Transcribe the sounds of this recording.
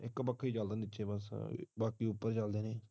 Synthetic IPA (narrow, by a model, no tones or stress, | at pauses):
ɪkbəkʰːiːt͡ʃəld̪aːnɪt͡ʃʰeːbəsbaːkiːʊpːəɾt͡ʃəld̪eːneː